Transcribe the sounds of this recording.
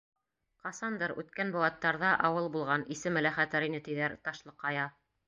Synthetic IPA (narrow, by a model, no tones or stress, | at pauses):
qɑsɑnd̪ɤɾʉ̰t̪kænbuwˠɑt̪ːɑɾðɑʔɑwɤlˠbulˠʁɑnisɘmɘ̆læχæt̪æɾinɘt̪ĭðæɾt̪ɑʃlˠɤqːɑjɑ